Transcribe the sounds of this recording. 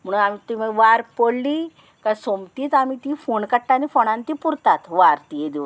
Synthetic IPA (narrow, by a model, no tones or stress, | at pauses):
m̤əɽunamit̪iməʋaɾpoɽliː | kasomt̪iːt̪amit̪ifoɳkəʈːanifoɳãnt̪ipuɾt̪at̪ʰʋaɾt̪iɦed̪iʋ